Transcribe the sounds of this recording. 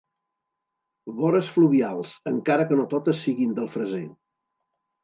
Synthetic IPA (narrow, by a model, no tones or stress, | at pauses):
βɔɾəsfluβialˠz̥əŋkaɾəkənot̪ot̪əsːiɣind̪əlˠfɾəze